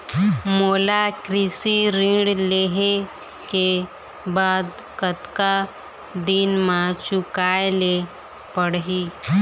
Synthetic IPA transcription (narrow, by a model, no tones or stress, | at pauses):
moːlakɾɪsiɾĩːɽleːɦe | ke | baːd̪ | kət̪ka | d̪inmãt͡ʃʊkaːele | pəɽɦiː